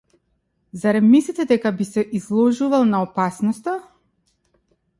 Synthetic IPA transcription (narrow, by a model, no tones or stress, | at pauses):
zaɾɛmislʲit̪ɛd̪ɛkabisɛʔizlˠɔʒuvalˠnaɔpasnɔst̪a